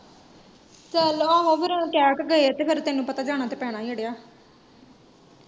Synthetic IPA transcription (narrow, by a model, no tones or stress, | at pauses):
t͡ʃəloaːɦoːʋəɾõʈɛːkɡəet̪eːpʰɪɾt̪eːnːũːpət̪aːd͡ʒaːɽ̃aːt̪eːpɛːɽ̃aːiəɽejaː